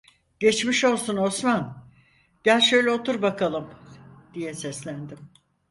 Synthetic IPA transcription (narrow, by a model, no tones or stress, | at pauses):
ɟ̥et͡ʃmiʃo̞lˠsuno̞sman | ɟ̥ælʲʃø̞jlʲɛot̪uɾbakʰalˠɯmd̪ijɛsɛslʲænd̪ɪm